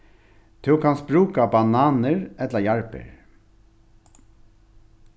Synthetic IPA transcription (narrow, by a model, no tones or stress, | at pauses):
t̪ʰʉkʰɑnsbɾʉːkabɑnɑːnəɹɛt̪ləjɑɹpə̰ɹ